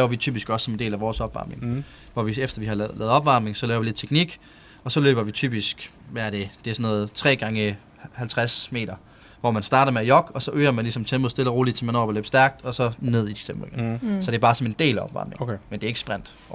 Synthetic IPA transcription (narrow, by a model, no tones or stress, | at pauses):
lɛʊɐʋit͡sʰy̰ːb̥isɡ̥ɒ̽sːɒ̽me̝nde̝̰ːlæʋɒːsɒ̽b̥ʋɑ̈ːmne̝ŋ | ʋɒʋiefd̥ɐʋihɑlɛːð̩ˠɒ̽b̥ʋɑ̈mne̝ŋsɒ̽lɛːʊʋiled̥̚t͡sʰeɡ̥niɡ̥ | ɒ̽sɒ̽lø̰ːb̥ɐʋit͡sʰy̰ːb̥isɡ̥ | ʋæɐɾ̥e̝d̥e̝æɐsɔ̽nɔ̽ːð̞̩ˠt͡sʰʁɛ̰ːɡ̥ɑ̈ŋə | hælt͡sʰʁasme̝̰ːɾ̥ɐ | ʋɒmænsd̥ɑ̈ːɾ̥ɐmeæjɒ̽ɡ̥ɒ̽sɒ̽ʔøːɐmænlisɒ̽mt͡sʰemoðˠsd̥e̝lɐʁo̝ːlid̥t͡sʰemænɒ̰ːb̥ɒlø̰ːb̥sd̥æɐɡ̥̚d̥ɒ̽sɒ̽ne̝ð̞̰ˠit͡sʰemˠɡensɒ̽d̥e̝ɐbɑ̈ːsɒ̽me̝nd̥e̝̰ːlæɒ̽b̥ʋɑ̈ːmne̝ŋmend̥e̝æeɡ̥sb̥ʁan̰d̥